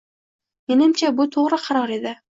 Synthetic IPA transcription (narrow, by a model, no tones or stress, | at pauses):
me̞nɪmt͡ʃʰabʊt̪ʰoʁɾɨqʰɑɾɒɾe̞d̪ɪ